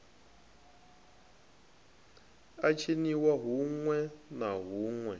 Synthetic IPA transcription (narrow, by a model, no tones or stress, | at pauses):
at͡ʃʰeniwaɦuŋwɛnaɦuŋwɛ